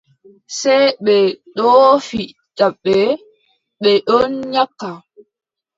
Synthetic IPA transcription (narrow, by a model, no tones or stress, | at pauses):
sɛjɓɛɗɔːfi | taɓːɛ | ɓɛɗɔnɲakːa